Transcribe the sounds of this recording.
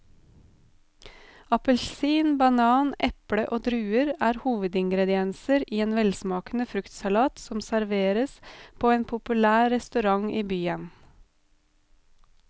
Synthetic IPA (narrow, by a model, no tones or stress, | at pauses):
ɑpəlsiːnbɑnɑːnʔɛpɽəʔoːd̪ɾʉːəɾæːɾhuːʋəd̪ɪŋɡɾɛd̪ɪɛnsəɾiːeːnʋɛlsmɑːkn̩əfɾʉkt̪sɑlɑːt̪sɔmsæɾʋeːɾəspʰoːeːnpʰʊpʉlæːɾɛst̪ʉɾɑŋʔiːbyːən